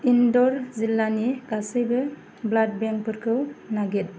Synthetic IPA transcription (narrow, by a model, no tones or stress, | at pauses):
indɔɾzilːaniɡasɯjbɯ | blat̚beŋkpɯɾkʰɯwnaɡet̚